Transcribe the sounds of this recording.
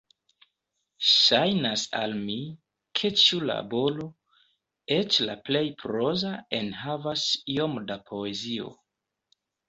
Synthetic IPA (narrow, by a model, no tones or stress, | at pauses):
ʃajnasa̰lmi | kʰe̞t͡ʃula̰bo̞lo̞ | e̞t͡ʃla̰ple̞jpɾo̞zae̞nɦavasio̞mdapʰo̞e̞zio̰